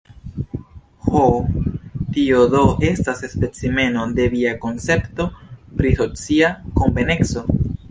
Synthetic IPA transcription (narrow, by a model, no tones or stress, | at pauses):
ho | tiod̪o̞ʔestasespe̞t͡sime̞no̞d̪e̞viako̞nt͡se̞pto̞pɾisot͡siako̞mbene̞kso̞